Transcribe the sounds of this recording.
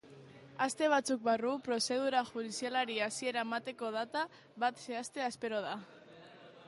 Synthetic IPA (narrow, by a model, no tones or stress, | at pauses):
ast̪e̞βat͡suk̚barupɾo̞se̞ð̞uɾaʝuðisialaɾiasie̞ɾaemat̪e̞ko̞ð̞at̪a | βat̪se̞ast̪e̞aspe̞ɾo̞ð̞a